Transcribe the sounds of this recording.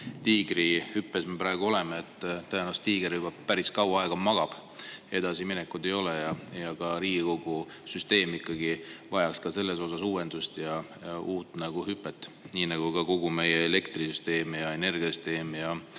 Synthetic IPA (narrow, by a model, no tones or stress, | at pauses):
t̪iːɡ̥rihypːe̞sme̞pɾɑˑeɡuo̞le̞meet̪ːˑt̪ɑjenɑst̪t̪iːɡ̥eɾubɑpæɾiskɑwɑɑeɡ̥ɑmɑɡ̥ɑb̥ | e̞d̪̥ɑsiminekːˑud̪̥e̞jo̞lejɑjɑkɑɾiːɡ̥iko̞ɡ̥u | syst̪e̞ːmikˑːɑɡivɑjɑkskɑse̞lːe̞so̞sɑsuːwend̪̥ust̪jɑjɑuːt̪ːˑnɑɡ̥uhypːˑet̪ːˑniːnɑɡ̥uɡɑko̞ɡ̥ume̞jeele̞kt̪risyst̪e̞ːmijɑe̞ne̞rɡ̥ʲiɑsyst̪e̞ːmjɑ